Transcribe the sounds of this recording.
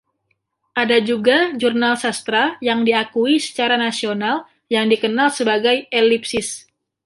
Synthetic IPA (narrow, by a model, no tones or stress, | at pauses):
ʔadad͡ʒuɡad͡ʒurnalsast̪ɾajaŋdiakuisə̥t͡ʃaɾanasional | jaŋdikənalsəbaɡajelipsɪs